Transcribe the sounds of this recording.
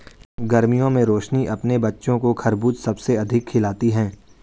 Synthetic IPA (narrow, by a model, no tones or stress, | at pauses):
ɡɐɾmijõmẽɾoːʃniʔɐpnebɐtːʃõkokʰɐɾbuːt̪sɐbseɐd̪ʱɪkʰːɪlaːt̪iɦɛ̃ː